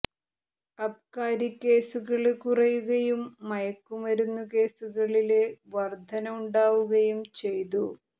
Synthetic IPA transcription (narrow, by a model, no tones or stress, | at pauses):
ɐp̚kaːɾikʲːe̞ːsuɣɐɭkurɐjuɣɐjumːɐjɐkːumʋɐɾunːuke̞ːsuɣɐɭileʋɐrd̪ʱɐnɐmuɳɖaːʋuɣɐjumt͡ɕe̞jt̪u